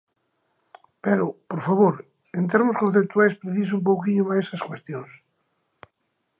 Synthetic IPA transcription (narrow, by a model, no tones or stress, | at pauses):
pɛɾʊpoɾfaβoɾ | ent̪eɾmʊskõn̟θep̚t̪uajspɾeθisump̬owkiɲʊmaesɐskwest̪jõŋs